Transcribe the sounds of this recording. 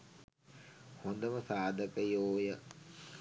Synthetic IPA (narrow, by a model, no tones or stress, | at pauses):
hond̪əməsaːd̪əkəjoːjə